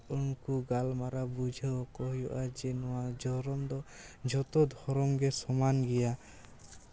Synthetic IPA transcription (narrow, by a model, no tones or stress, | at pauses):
unkuɡalmaɾabud͡ʒʱɔkɔɦjɔʔad͡ʒɛnɔwad͡ʒɔɾɔmd̪ɔ | d͡ʒɔt̪ɔd̪ʱɔɾɔmɡɛsɔmanɡɛja